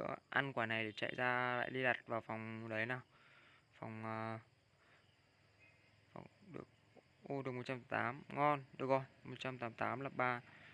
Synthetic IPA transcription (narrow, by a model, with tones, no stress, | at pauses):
ɨ̰˧˥əʔa˧nkwaː˧˩na˨˩jɗe˧˩t͡ɕa̰˧˨jzaː˧la̰ː˧˨jɗi˧ɗa˨˩t̚vaː˨˩wfa˨˩wŋ͡mɗə˨˦jnaː˨˩wfa˨˩wŋ͡məː˨˩ | fa̰˨˩wŋ͡mɗɨ˨˩ək̚ | ʔo˧ɗɨ˨˩ək̚mo˨˩t̚t͡ɕa˧mt̪a˨˦t̪aː˨˦mŋɔ˧nɗɨ˨˩ək̚zo˧˩jmo˨˩t̚t͡ɕa˧mt̪aː˨˦mt̪aː˨˦mla˨˩p̚ɓaː˧